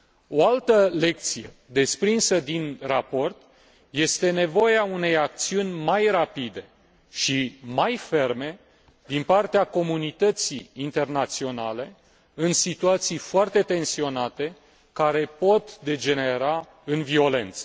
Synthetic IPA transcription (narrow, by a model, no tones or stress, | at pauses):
o̞alt̪əle̞k̚t̪sije̞ | d̪e̞spɾinsəd̪inrapo̞rt̪ | je̞st̪e̞ne̞vo̞jeaune̞jak̚t̪siunʲmajɾapid̪e̞ | ʃimajfe̞rme̞ | d̪inpart̪eako̞munit̪ət̪sḭːnt̪e̞rnat̪sio̞nale̞ | ɨnsit̪uat̪sijfoart̪e̞t̪e̞nsio̞nat̪e̞ | kaɾe̞po̞t̪d̪e̞d͡ʒe̞ne̞ɾa | ɨnvio̞le̞nt̪sə̥